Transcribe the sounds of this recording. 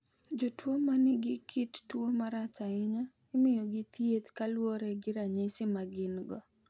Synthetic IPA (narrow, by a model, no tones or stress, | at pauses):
d͡ʒotwomanɪɡɪkʰɪttwomaɾat͡ʃaɪɲa | ɪmɪjɔɡɪt̪jet̪kalwoɾɛɡɪɾaɲesɪmaɡɪnɡɔ